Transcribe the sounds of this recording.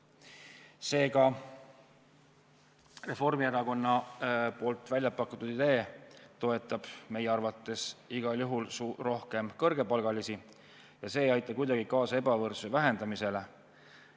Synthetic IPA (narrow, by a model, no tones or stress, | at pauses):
se̞ːkɑ | re̞fo̞rmieɾɑko̞nːɑpo̞ːlt̪ːˑvælʲjɑpɑkːˑut̪ːud̪̥id̪e̞ːt̪o̞e̞t̪ːˑɑb̥me̞jeɑrvɑt̪ːˑe̞siɡ̥ɑljuɦulsuro̞hke̞mkɤrɡ̥e̞pɑlɡ̥ɑlisi | jɑse̞ːjɑjt̪ːˑɑkujd̪ɑɡ̥ikɑːsɑe̞bɑvɤrsuvæɦe̞nd̪̥ɑmise̞le̞